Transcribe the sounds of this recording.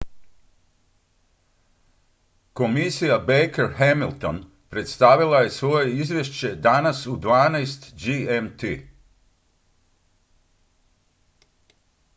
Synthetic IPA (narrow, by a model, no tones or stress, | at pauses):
ko̞misijabejkeɾɦemilˠt̪o̞̰n | pɾet̪st̪aʋilˠaje̞sʋo̞je̞izʋjeʃt͡ɕe̞d̪anasud̪ʋaːnajst̪d͡ʒiemt̪i